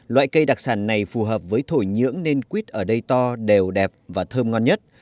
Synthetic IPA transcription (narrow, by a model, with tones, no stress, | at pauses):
lwa̰ː˧˨jkə˧jɗa˨˩k̚saː˧˩nːa˨˩jfu˨˩ɦəː˨˩p̚vəː˨˦jt̪ʰo˧˩jɲɨ̰˧˥əŋne˧nkwi˦˥t̚ʔəː˧˩ɗə˧jt̪ɔ˧ɗe˨˩wɗɛ˨˩p̚vaː˨˩t̪ʰəː˧mŋɔ˧nɲə˦˥t̚